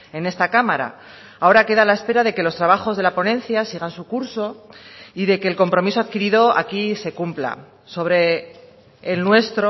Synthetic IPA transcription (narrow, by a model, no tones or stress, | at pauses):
e̞ne̞st̪akamaɾa̰ | ao̞ɾake̞ðalae̞spe̞ɾaðe̞ke̞lo̞st̪ɾaβaxo̞zðe̞lapo̞nẽ̞nθjasiɣ̞ansukuɾso̞iðe̞ke̞ːlko̞mpɾo̞miso̞aðkiɾiðo̞a̰kise̞kumpla̰ | so̞β̞ɾe̞ː | lnwe̞st̪ɾo